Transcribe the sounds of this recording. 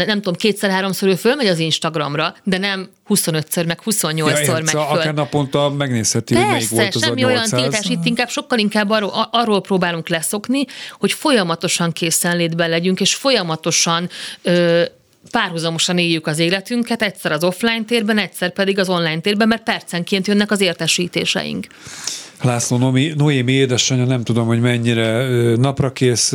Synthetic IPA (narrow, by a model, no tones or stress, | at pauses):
nɛmt̪uomkeːt̪sɛrɦaːɾo̞msoɾøːfølmɛɟɒzinʃt̪ɒɡrɒmrɒd̪ɛnɛm | huso̞nøt̪sɛrmɛkhuso̞ɲːolormɛøaɾnɒpont̪ɒmɛɡneːshɛt̪ipoɛɛrjisɛʃɛmːiojɒntilt̪aːʃit̪ːiŋkaːbʃo̞kːɒliŋkaːbːɒroʔɒrːoːlproːbaːluŋklɛso̞kniho̞cfo̞jɒmɒt̪o̞ʃɒŋkʰeːsɛnleːd̪bɛnlɛɟyŋkeːʃfo̞jɒmɒt̪o̞ʃɒnøː | paːrɦuzɒmo̞ʃɒneːjːykɒzeːlɛt̪yŋkɛt̪ɛcsɛɾɒzo̞flaːjnt̪eːrbɛnɛcsɛrpɛd̪iɡɒzo̞nlaːjnt̪eːrbɛmːɛrt̪̚pɛrt̪sɛŋkeːnt̪jønːɛkɒzeːrt̪ɛʃiːt̪ḛːʃɛ̰jḭŋk | laːsloːnominoemieːd̪ɛʃɒɲɒnɛmt̪ud̪o̞mho̞ɟmɛɲːiɾɛøːnɒprɒkeːs